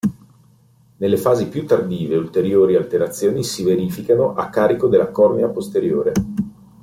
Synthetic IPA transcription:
nelːefaːzipjut̪ːard̪iːveult̪eɾjoːɾialt̪eɾat̪sːjoːnisiveɾiːfikanoʔakːaːɾikod̪elːakɔrniapost̪eɾjoːɾe

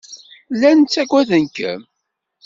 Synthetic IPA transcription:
lːænt͡sːækʷwæðənkə̰m

